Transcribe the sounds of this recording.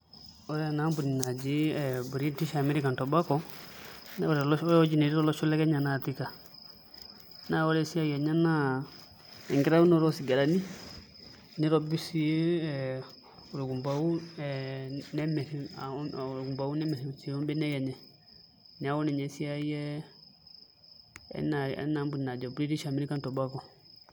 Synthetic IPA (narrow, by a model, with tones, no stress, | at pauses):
ɔ˨˦ɾɛ˦˨na˦mbu˨ni˨na˨d͡ʒi˦ɛ˨bu˨ɾi˦ti˦ʃa˨mɛ˦ɾi˦ka˨ntɔ˨ba˦kɔ˦ | n˦ɾɛ˨lɔ˦jɔ˦d͡ʒi˦ne˨ɾi˦ɾɔ˦lɔ˦t͡ʃu˦lɛ˦kɛ˦ɲa˨na˨ti˦ka˨ | na˦wɔ˦ɾɛ˦si˦a˦ja˨ɲa˦na˦ | ɛ̰˨ŋɡi˦ɾa˦wu˦nɔ˦˨ɾɔ˦si˨ɡa˨ɾa˨ni˦ | ni˦ɾɔ˦bi˦si˦e˦ | u˨ɾu˨ɡu˨mba˨u˦ɛnɛ˦mɛ˨˦˨ | ɾɡu˨mba˨wu˦nɛ˦mɛ˨ɾi˨u˨t͡si˨˦ɔ˦mbɛ˦nɛ˦ja˨ɲɛ˨ | n˨a˨˦wɔ˦nɛ˨ɲɛ˨si˦a˦jɛ˦ | ɛ̰˦na˨ɛ̰˦na˨mbu˨na˨d͡ʒɔ˨bɾi˦ɾi˦ʃa˨mi˦ɾi˦ka˦ntɔ˨ba˦kɔ˨